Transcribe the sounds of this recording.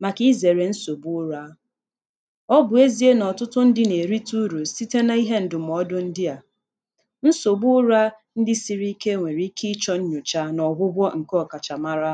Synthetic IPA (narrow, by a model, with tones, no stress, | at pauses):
ma˨ki˦ze˨ɾe˨n̩˦so˨bu˦ʊ˦ɾa˦ | ɔ˦bʊ˨e˦zi˦e˦nɔ˨tʊ˦tʊ˦n̩˦dɪ˦ne˨ɾi˦tu˦ɾu˨si˦te˦na˦i˦ɦe˦n̩˨dʊ˨m˨ɔ˦dʊ˦n̩˦dɪ˦a˨ | n̩˦so˨bʊ˦ʊ˦ɾa˦ | n̩˦dɪ˦si˨ɾi˦i˦ke˦ŋʷe˨ɾi˦ki˦t͡ʃɔ˦ɲ̩˦ɲʊ˨t͡ʃa˦nɔ˨ɦʊ˦bʷɔ˦ŋ̩˨kɔ˦˨ka˨t͡ʃa˨ma˦ɾa˦